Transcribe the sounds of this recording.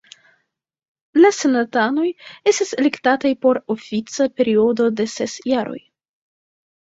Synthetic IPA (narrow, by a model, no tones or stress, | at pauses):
lase̞natano̞je̞stiselektatajpo̞ɾo̞fit͡sape̞ɾio̞do̞de̞se̞sjaɾo̞̰j